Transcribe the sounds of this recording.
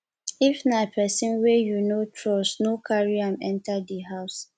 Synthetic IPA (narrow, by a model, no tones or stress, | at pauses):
ifnapʰɛsĩnwɛjunotʰɹɔsnokʰaɹiãmɛ̃ntʰadiɦaʊs